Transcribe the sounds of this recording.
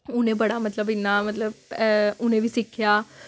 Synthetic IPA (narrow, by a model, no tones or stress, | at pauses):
ʊnẽːbəɽaːmət̪ləbɪnːaːmət̪ləbʊnẽːʋiːsɪkʰːjaː